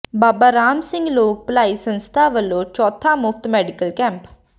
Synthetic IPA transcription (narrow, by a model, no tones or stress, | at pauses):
baːbaːɾaːmsɪ̃ŋɡloːk̚plaːiːsənst̪ʰaːʋəlːõːt͡ʃɔːt̪ʰãːmʊfʰt̪mɛːɖɪkəlkɛ̃ːmp